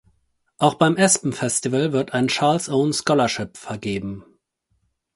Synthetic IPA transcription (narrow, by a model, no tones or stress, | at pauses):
ʔaʊxb̥aɪmʔɛspm̩fɛstivəlvɪɐtaɪnt͡ʃaɐlsʔoʊnskɔlɐʃɪpfɛɐɡeːbm̩